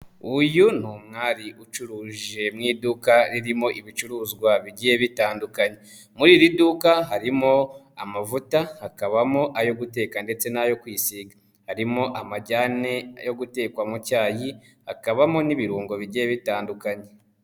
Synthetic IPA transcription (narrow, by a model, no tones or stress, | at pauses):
ujun̥uːmŋaːɾiʔut͡ʃuɾuːʒe̞mŋiːdukaɾiɾimo̞ʔiβit͡ʃuɾuːzɡwaβiɟijeβitaːndukaɲe̞ | muɾiːɾidukaɦaɾimo̞ | amavutahakaβamo̞ʔajo̞ɡute̞ːkande̞t͡se̞najo̞kwiːsiɡa | haɾimo̞ʔamaɟaːne̞jo̞ɡute̞ːkwamucaːji | hakaβamo̞niβiɾuːŋɡo̞βiɟijeβitaːndukaɲe̞